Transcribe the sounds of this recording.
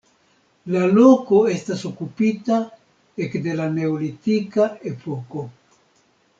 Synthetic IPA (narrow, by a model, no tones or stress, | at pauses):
lalo̞ko̞e̞staso̞kupita | ekde̞lane̞olitikae̞po̞ko̞